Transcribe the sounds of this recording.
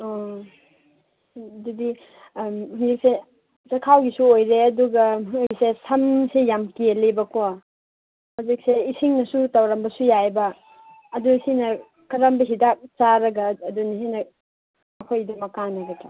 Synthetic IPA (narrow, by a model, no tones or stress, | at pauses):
ɔ | dudi | huŋdik̚se | t͡ʃɐkʰawɡisuojɾeɐduɡɐɦuŋik̚sesɐmsejamkielebɐkʰoa | huzik̚seisiŋnɐsutɐwɾɐmbɐsujajbɐː | dusinɐ | kɐɾambɐɦidak̚t͡ʃaɾɐɡɐːdunisinɐ | ɐkʰojdɐmɐkanɐɡɐtʰa